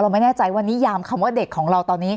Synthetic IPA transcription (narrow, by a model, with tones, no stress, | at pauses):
ɾa˧wma˥˩nɛː˥˩t͡ɕa˧jwa˧nːiː˦˥jaː˧mkʰa˧mwaː˥˩de˨˩kʰːɔː˩˦ŋɾa˧wt̪ɔː˧nːiː˦˥